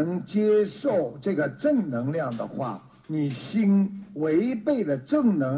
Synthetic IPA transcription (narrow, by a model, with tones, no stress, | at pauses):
ŋt͡ɕjɛ˥ʂo˥˩ʊʈ͡ʂɤ˥˩ɡə˩ʈ͡ʂɤ˥˩ŋnɤ˧˥ŋljɑ˥˩ŋd̪ə̰˩xwa̰˥˩ | ni˨˩ɕi˥nwe˧˥ɪpe˥˩ɪdə˩ʈ͡ʂɤ˥˩ŋnɤ˧˥